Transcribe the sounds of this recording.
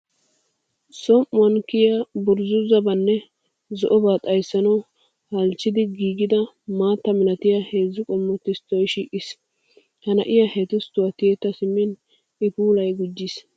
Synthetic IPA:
sɔmʔʊwɐnkɪjabʊɾzʊzɐbɐnːɛ | zɔ̰ʔɔbaːt̪ʼɐjsːɐnɐw | hɐlt͡ʃːɪd̪ɪɡiːɡɪd̪ɐ | maːt̪ːɐmɪlɐt̪ɪjahe̞ːzːʊkʼɔmːɔt̪ːɪst̪ɔjʃiːʔɪs | hɐnɐ̰ʔɪjɐheːt̪ʊst̪ʊwɐt̪ɪjɛt̪ːɐsɪmːɪn | ɪpuːlɐjɡʊd͡ʒːɪs

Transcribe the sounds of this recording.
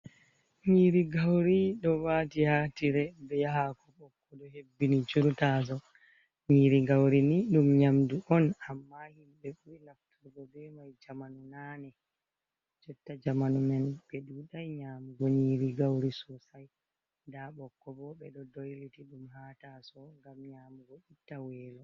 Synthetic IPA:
ɲiɾiɡawɾiɗɔwatihaːtiɾɛbɛjahakɔbɔkːɔɗɔhebːinit͡ʃuɾtas̬ɔ | ɲiɾiɡawɾiniɗumɲamduʔɔnamːahimbɛɓuilaftuɾɡɔbɛmajd͡ʒamanunanɛ | d͡ʒɔtːad͡ʒamanumɛnbɛɗuɗajɲaːmuɡɔɲiːɾiɡawɾisɔsaj | daɓɔkːɔbɔɓɛɗɔdojlitiɗumhatasɔŋɡamɲaːmuɡɔʔitːawɛːlɔ

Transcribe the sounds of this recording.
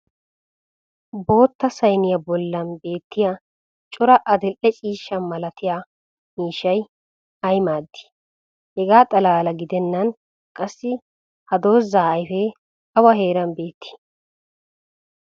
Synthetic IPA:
bo̞ːt̪ːɐsɐjnɪjɐbɔlːɐnbe̞ːt̪ːɪja | t͡ʃʼʊɾɐʔɐd̪ɛlːɛt͡ʃʼiːʃːɐnmɐlɐt̪ʰɪja | miːʃɐj | ɐjmaːd̪ːɪ̥ | hɛɡaːt̪ʼɐlaːlɐɡɪd̪ɛnːɐn | kʼɐsːɪ | hɐd̪o̞ːzːaːɐjfɛ | ɐwɐɦe̞ːɾɐmbe̞ːt̪ʰːɪ̥

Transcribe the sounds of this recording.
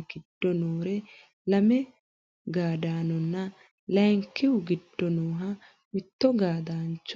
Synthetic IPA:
ɡɪd̥ːɔnoːɾɛ | lɐmɛ | ɡaːd̪aːnɔnːɐ | lɐjŋkːɪhʊɡɪd̥ːɔnoːɦɐ | mɪt̪ːɔɡaːd̪aːnt͡ʃː

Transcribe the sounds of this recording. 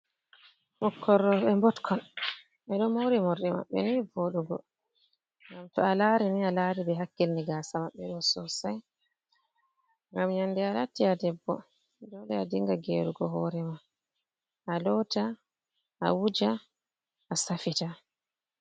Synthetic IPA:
mɔkʰːɔɾːɔɓɛmbɔtkʰɔn | ɛɗɔmowɾimɔɾɗɛma̰ɓːɛ̰nivoɗuɡɔ̰ | ŋɡamtɔalaːɾinialaːɾibɛɦakːilniɡaːsamaɓːɛɗɔsɔsaj | ŋɡamɲandɛalatːiadɛbːɔ̰ | dɔlɛadiŋɡaɡeɾuɡɔɦɔːɾɛma | ʔalɔta | ʔa̰wud͡ʒa | ʔasafita

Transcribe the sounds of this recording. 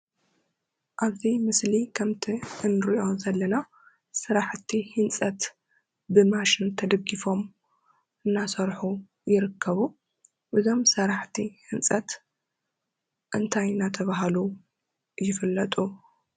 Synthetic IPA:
ʔaβzimɨslikʰɐmt̪ʰiɨnɾiʔo̞zɐlːɐna | sɨɾaħt̪ʰihɨnt͡sʼɐt̪ | bɨmaʃɪnt̪ʰɐd̪ɐɡifo̞m | ɨnːasɐɾħu | jɪɾɨkʰːɐβu | ʔɨzo̞msɐɾaħt̪ʰihɨnsʼɐt̪ | ʔɨnt̪ʰajnat̪ʰɐβaɦlu | jɪfɨlːɐt̪ʼu

